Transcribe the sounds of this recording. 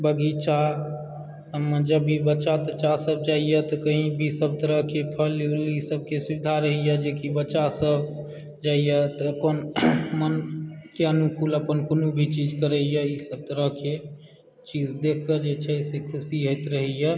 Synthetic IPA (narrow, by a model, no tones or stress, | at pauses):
bəɡit͡ʃa | əməd͡ʒəbʱibətːt͡ʃat̪ət͡ʃasəb̚d͡ʒaijət̪ɔkəɦĩbʱisəb̚t̪əɾəɦkepʰəllisəb̚kesuid̪ʱaɾəɦijəd͡ʒekibətːt͡ʃʃasəb | d͡ʒaijət̪ɔəpənmənkeənukuləpənkonubʱit͡ʃid͡ʒkəɾəjəisəb̚t̪əɾəɦke | t͡ʃid͡ʒd̪ekʰkːəd͡ʒet͡ʃʰɛsekʰusiɦoɪt̪ɾəɦɛjə